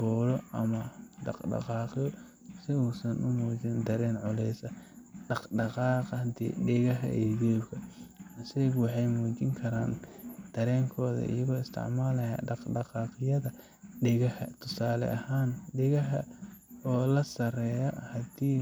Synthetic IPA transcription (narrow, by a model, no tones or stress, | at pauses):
bɔːlɔʔɐmɐɖɑ̰qɖɑ̰qɑːqɪjɔ | sɪuːsɐnʔʊmuːt͡ʃɪnd̪ɐɾɛːnʕʊlɛjsɐɖɑqɖɑqɑːqnt̪ʰḭːɖɪɣɐɦɐ̰ʔɛdɔːbkʰɐɐsɛjɡwɑħɑjmuːt͡ʃɪŋkʰɐɾa̰ːnd̪̥ɐɾɛːŋkʰɔːðɐ̰ʔḭjɐɣɔːɪst̪ʰɪ̰ʕmaːlɐja̰ːɖɑqɖɑqɑːqɪjɐðɐ | ɖɪɣɐhɐt̪ʰʊsaːlɛ̰ʔɐhaːnɖɪɣɐɦɐ̰ɔːlɐsɐrɛːjɐhɐd̪iː